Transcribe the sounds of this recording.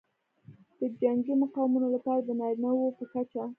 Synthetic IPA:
d̪̥əd͡ʒaŋɡimʊqɑwɪmunolapɑɾad̪ənɑɾnawopəkat͡ʃa

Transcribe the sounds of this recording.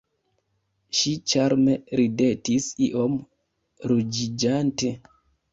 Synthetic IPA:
ʃit͡ʃaɾmeɾidetisiʔom | ɾud͡ʒid͡ʒante

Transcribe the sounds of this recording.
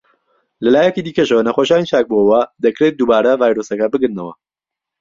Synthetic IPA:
lɐlaːjɛkiːd̪iːkɐʃɐwɐnɐχoʃaːnit͡ʃʰaːk̚bowɐd̪ɐkɾet̪̚d̪uːbaːɾɐvaːjɾosɐkɐbɨɡɨnːɐwɐ̰

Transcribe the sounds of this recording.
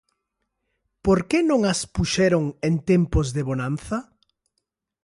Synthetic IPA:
poɾkenõŋaspuʃɛɾoŋent̪ɛmpozðeβonanθɐ

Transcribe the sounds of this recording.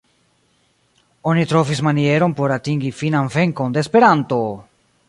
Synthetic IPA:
o̞nitɾo̞vismanie̞ɾo̞npo̞ɾatiŋɡifinanve̞ŋko̞ndeːspe̞ɾanto̞

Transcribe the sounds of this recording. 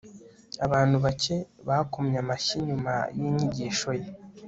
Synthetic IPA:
aβaːn̥huβace̞βakomɲamaʃiɲuma̰jiːɲiɟiːʃo̞je

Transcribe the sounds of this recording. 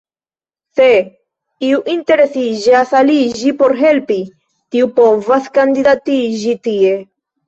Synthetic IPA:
se | iuʔinte̞ɾe̞sid͡ʒasalid͡ʒipo̞ɾɦe̞lpi | tiupo̞vaskand̪idatid͡ʒitie̞

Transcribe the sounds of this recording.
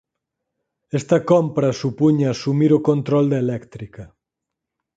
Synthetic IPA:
ɛst̪ɐkompɾɐsupuɲasumiɾokont̪ɾɔld̪ɐelɛkt̪ɾikɐ

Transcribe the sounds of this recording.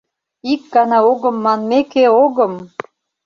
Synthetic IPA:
ik̚ɡɑnɑoɣɤ̆mːɑnmekeoɣɤ̆m

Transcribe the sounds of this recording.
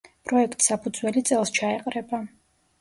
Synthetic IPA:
pʼɾɔɛkʰt̪ʼi̥sapʰud̪zwɛlit̪sʼɛlˠst͡ʃʰaɛqʼɾɛba

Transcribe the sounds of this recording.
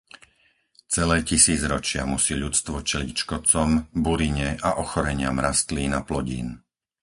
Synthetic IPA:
t͡sɛlɛːcisiːd͡zɾɔt͡ʃɪamusiːʎut͡st̪ʋɔt͡ʃɛlicʃkɔt͡sɔmbuɾiɲɛʔaʔɔxɔɾɛɲɪamɾast̪liːnaplɔɟḭːn

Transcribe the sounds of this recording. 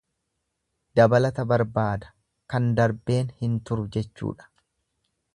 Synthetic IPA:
d̪ɐbɐlɐt̪ɐbɐɾbaːd̪ɐ̥ | kɐnd̪ɐɾbe̞ːnhɪnt̪ʊɾʊd͡ʒɛt͡ʃːṵːᶑɐ̥

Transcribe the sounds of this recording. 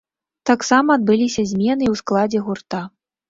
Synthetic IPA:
t̪aksamɐːd̪̚bɨlʲisʲɐzʲmʲɛnɨiwsklˠad͡zʲɛɣurt̪a

